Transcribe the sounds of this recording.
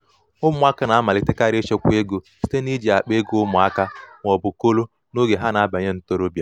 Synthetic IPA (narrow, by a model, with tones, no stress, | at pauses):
ʊ˦mʊ˨˦a˦ka˦na˨a˦ma˨lɪ˨te˦ka˦ɾe˦t͡ʃe˦kʷe˦ɡo˨si̥˦te˦ni˦d͡ʒe˨a˨k͡pe˦ɡo˦ʊ˦mʊ˨a˦ka˦ŋʷ˨ɔ˨bʊ˨ko˦lo˦ | no˦ɡe˨ɦa˦na˨a˦ba˨ɲe˦n̩˦to˦ɾo˦bja˦